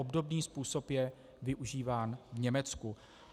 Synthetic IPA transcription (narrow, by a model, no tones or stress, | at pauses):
obdo̞bniːspuːso̞pjɛ | vɪʔuʒiːvaːnvɲɛmɛt͡sku